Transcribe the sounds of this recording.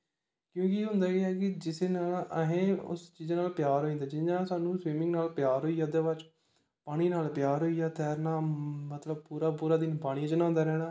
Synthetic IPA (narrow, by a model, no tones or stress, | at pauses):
kjõːkɪɦʊ̃nd̪aːɡeɛːkɪd͡ʒɪseːnaːləɦẽːʊ̰st͡ʃiːzːnaːlpɪjaːɾɦoːĩnd̪aːd͡ʒɪɲãːsaːnũːsʋiːmɪ̃ŋɡnaːlpɪjaːɾɦoːiːaːd̪eːʋat͡ʃ | paːɽ̃iːnaːlpjaːɾɦoːiːaːt̪ɛːɾnaːmət̪ləb̚puːɾaːpuːɾaːd̪ɪnpaːɽ̃ĩd͡ʒənãːnd̪aːɾɛːɽ̃aː